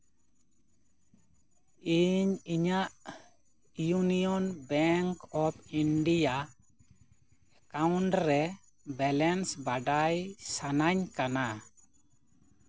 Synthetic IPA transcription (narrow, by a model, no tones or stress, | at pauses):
iɲiɲaʔ | junijɔnbɛŋkɔpiɳɖija | ɛkawɳʈɾɛ | bɛlɛnsbaɖajsanaɲkana